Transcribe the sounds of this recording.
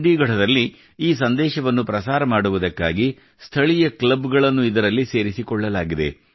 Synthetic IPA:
ɖiːɡɐʈɐd̪ɐlːi | iːs̬ɐnd̪ɛːʃɐʋɐnːupɾɐsaːɾɐmaːɽuʋud̪ɐkːaːɡi | st̪ʰɐɭijɐklɐbɡɐɭɐnːuid̪ɐɾɐlːiseːɾisikɔɭːɐlaːɡid̪e̞̰

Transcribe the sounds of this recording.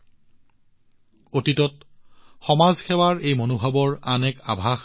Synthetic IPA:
otitɔt̚xɔmazxɛwaɹejmonubʱabɔɹanɛka̰bʱax

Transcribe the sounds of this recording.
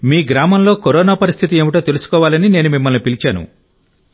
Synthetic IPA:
miːɡɾaːmɐmloːkoɾɔːnaːpɐɾist̪ʰit̪iemiʈɐt̪e̞lusu̥kɔːʋaːlɐnine̞ːnumimːɐlnipilit͡ʃaːnṵ

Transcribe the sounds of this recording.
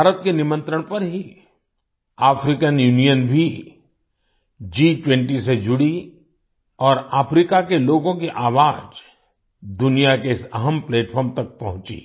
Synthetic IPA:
bʱaːɾət̪kenɪmə̃nt̪ɾəɽ̃pɐɾɦi | aːfɾikənjuːnijənbʱi | d͡ʒiːʈwɛ̃ɳʈised͡ʒʊɽi | ɔːɾaːfɾikakeloːɡõkiʔaːʋaːd͡ʒ | d̪ʊnijakeɪsɐɦəmpleːʈfʰɔːɾmt̪ɐk̚pɐɦʊ̃t͡ʃḭ

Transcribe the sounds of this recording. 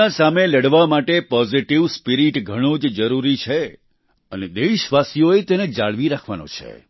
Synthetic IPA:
asameləɽʋamaʈepɔziʈiʋspiɾiʈɡʱəɽ̃od͡ʒd͡ʒəɾuɾit͡ʃʰe | əned̪eʃʋasijoet̪ened͡ʒaɭʋiɾakʰʋa̰nõ̰t͡ʃʰḛ

